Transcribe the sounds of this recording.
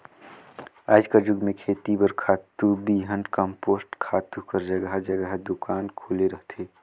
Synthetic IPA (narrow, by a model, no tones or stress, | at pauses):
aːd͡ʒkad͡ʒʊɡmẽkʰeːt̪ibəɾkʰaːt̪ːubiːɦə̃ɳɖkəmpoːsʈkʰaːt̪ukəɾd͡ʒəɡəɦd͡ʒəɡəɦd̪ʊkaːnkʰoːleɾəɦt̪eː